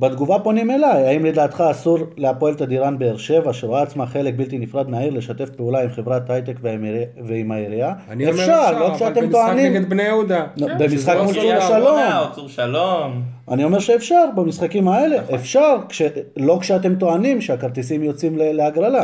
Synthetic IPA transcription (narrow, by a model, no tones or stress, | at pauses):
bed̪ɡuvapo̞nime̞lajaimled̪aːt̪χaːsuʁleapoelt̪ad̪iʁanbe̞ːʁʃe̞vaʃeʁaːt͡smaχe̞le̞k̚bilt̪inifʁad̪naiʁle̞ʃat̪e̞fpeulaimχe̞vʁat̪ajt̪ekveveimaiʁiaefʃaʁlokʃeat̪emt̪oanimɡt̪bnejeud̪abemisχakmulsuʃalomlom | a̰nio̞me̞ʁʃeːfʃaʁbamisχakimae̞le̞ʔefʃaʁkʃelo̞kʃeat̪e̞mt̪o̞animʃeakaʁt̪isimjo̞t͡simleleaɡʁala